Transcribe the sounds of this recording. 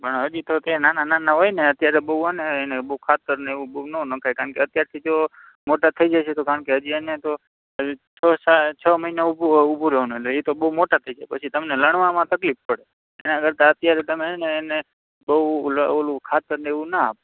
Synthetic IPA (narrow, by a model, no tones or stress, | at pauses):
pəɳ̃ɦəd͡ʒit̪ot̪enanananaɦojneət̪jaɾebəuəneɦenebəukʰat̪əɾneʋũbəunənəkʰajkaɾəɳkeət̪jaɾt̪ʰid͡ʒo | moʈat̪ʰəid͡ʒaʃʰet̪okaɾəɳkeɦəd͡ʒianet̪o | t͡ʃʰəsat͡ʃʰəməɦinaubʱuɦubʱuɾeɦonuetleet̪obəɦumoʈat̪ʰəid͡ʒaepət͡ʃʰit̪əmneləɳ̃ʋãmãt̪əklifpəɽe | enakəɾt̪aət̪jaɾet̪əmeɦɛneːne | bəuləolũkʰat̪əɾneeʋũnaa̰p